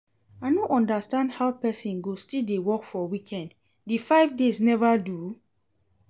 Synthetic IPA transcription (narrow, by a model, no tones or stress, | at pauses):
aɪnoʔɔ̃ndastãndhaʊpɛsĩnɡostildewɔkfɔwikʰɛ̃nd | difaɪvdesnɛvadu